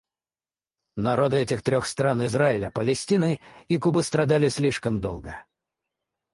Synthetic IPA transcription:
nɐɾo̞d̪ɨɛtʲɪxt̪ɾʲoxst̪ɾanɪzraɪlʲəpəlʲɪsʲtʲinɨikubɨst̪ɾɐd̪alʲɪsʲlʲiʂkəmd̪o̰lˠɡə

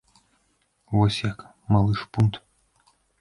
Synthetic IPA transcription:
vosʲjak | malˠɨʂpunt̪

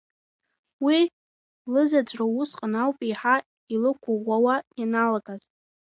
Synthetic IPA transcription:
wi | lɨzad͡ʒʷʰʼrawʊsqʼanawpʼiħa | ilɨkʷʰʊʁʷawaanalaɡʼazʼ

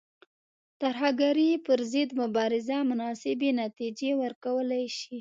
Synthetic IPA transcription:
t̪aɾɦaɡaɾipəɾzəd̪mʊbɑɾɪzamʊnɑsɪbenat̪id͡ʒewəɾkawəlajʃi

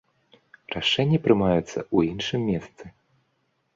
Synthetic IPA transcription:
raʂɛnʲːɐpɾɨmajut̪sːɐ̰ʔuinʂɨmʲːɛst̪sɨ

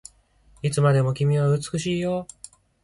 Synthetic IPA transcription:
it͡sɨmad̪e̞mo̞kʲimʲiβ̞aɯ̟t͡sɨ̥kɯ̟ɕiːjo̞

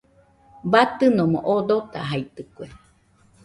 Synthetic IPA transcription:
bat̪ɨnomõ̰ʔod̪ot̪a̰ɦait̪ɨkʷe

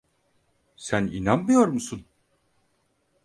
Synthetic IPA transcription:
sænḭnanmɯjo̞ɾmusun

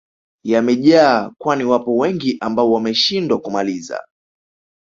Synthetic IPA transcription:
jamɛʄaːkwaniwapɔwɛŋɡiʔambaɔwamɛʃindwakumaliza̰

